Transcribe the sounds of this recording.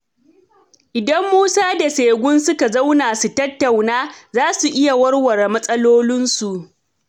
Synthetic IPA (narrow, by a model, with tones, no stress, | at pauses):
ʔɪ˨dɐ˦mːuː˦saː˦da˨seː˨ɡʷʊ˦nsʊ˦ka˨za˦wnaː˨su˨tɐ˦tːa˨wnaː˦zaː˦su˨ʔɪ˦ja˨wɐ˦rwɐ˨rmɐ˦sʼɐ˦loː˦lɪ˦nsu˨ʔ